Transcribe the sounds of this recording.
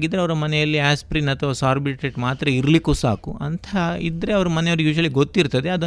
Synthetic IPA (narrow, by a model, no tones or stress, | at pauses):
ɡid̪ɾeɐʋɐɾɐmɐnɛjɐlːiaːspɾinɐt̪ʰʋasaːɾbiʈeʈmaːt̪ɾɐiɾlikusa̰ːkuɐ̰nt̪ʰɐḭd̪ɾe̞ɐʋɐɾɐmɐnejoʋɾujuːʃ̬ɐliɡot̪ːiɾt̪ɐd̪e̞ɐd̪ɐ